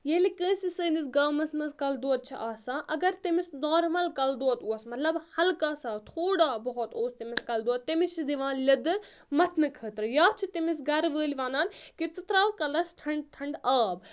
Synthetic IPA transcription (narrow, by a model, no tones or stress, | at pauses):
jelikə̃ːsisəːnisɡaːmɐsmɐskɐld̪oːɐt̪̚t͡ʃʰiʔaːsãːʔɐɡɐɾt̪imisd̪ɔːɾmɐlkɐld̪oːɐt̪uɐsmɐt̪lɐbhɐlkaːsaːwt̪ʰoːɽaːbɐɦɔt̪oːst̪imiskɐld̪uɐt̪̚ːimisid̪iʋãːnlʲɐd̪ɨɾ | mɐt̪ʰnɨkʰəːt̪ɾɨjaːt͡ʃʰit̪imisɡɐɾʋəːlʲʋaːnaːnkit͡s̪ɨt̪ɾaːwkɐlɐsʈʰɐɳɖʈʰɐɳɖaːb